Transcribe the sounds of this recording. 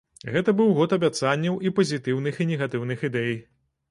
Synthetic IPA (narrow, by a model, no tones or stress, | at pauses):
ɣɛt̪ɐbɨwɣɔt̪ɐbʲat̪sanʲːɐwʔipɐzʲit̪ɨwnɨxinʲɛɣat̪ɨwnɨxid̪ɛj